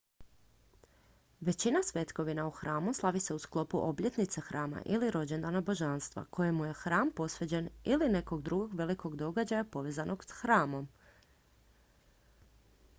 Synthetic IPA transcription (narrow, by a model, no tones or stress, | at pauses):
ʋe̞t͡ɕinasʋe̞t̪ko̞ʋinauxɾaːmuslˠaʋise̞usklˠo̞puʔo̞blʎe̞t̪nit̪sexɾʔaːma̰ʔiliɾo̞d͡ʑe̞nd̪anabo̞ʒanst̪ʋa̰kʰo̞jemːuje̞xɾaːmpo̞sʋe̞d͡ʑe̞niline̞ko̞ɡd̪ɾuɡo̞ɡʋe̞liko̞ɡd̪o̞ɡad͡ʑajapo̞ʋe̞ːzanʔo̞ɡsxɾaːmo̞m